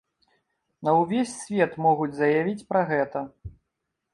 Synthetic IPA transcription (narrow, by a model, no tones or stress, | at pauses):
nɐwvʲesʲsʲvʲɛt̪mɔɣud͡zʲzɐjavʲit͡sʲpɾɐɣɛt̪ɐ